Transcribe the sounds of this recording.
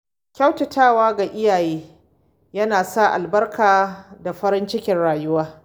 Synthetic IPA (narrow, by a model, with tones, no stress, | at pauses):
kʲa˦wtɐ˨tʰaː˦˨waː˦ɡa˨ʔɪ˦jaː˨jeː˦ | jɐ˦naː˨sa˦ʔa̰˨lbɐ˦rkʰaː˨da˨ɸɐ˦ɾɪ˦nt͡ʃɪ˦kʲɪ˨nɽaː˨jʊ˦waː˦